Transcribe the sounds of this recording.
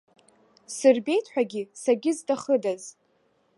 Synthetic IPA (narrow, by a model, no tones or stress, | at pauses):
sɨrbe̞jtʰħʷᶣaɡʲisaɡʲɪzdaχədaz